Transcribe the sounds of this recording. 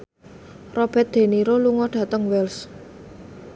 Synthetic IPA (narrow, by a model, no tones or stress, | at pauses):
rɔb̥ɛt̪̚d̪̥e̤niɾoluŋɔɖ̥a̤t̪əŋwɛls